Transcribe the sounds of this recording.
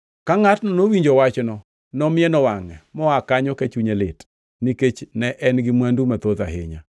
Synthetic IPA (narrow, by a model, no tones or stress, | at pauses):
kaŋatnɔnowiɲd͡ʒowat͡ʃnɔ | nɔmɪɛnɔwaŋɛmɔakaɲɔkɛt͡ʃuɲelɪt | niket͡ʃnɛʔɛnɡɪmwandumat̪oða̰ɦɪ̰ɲa̰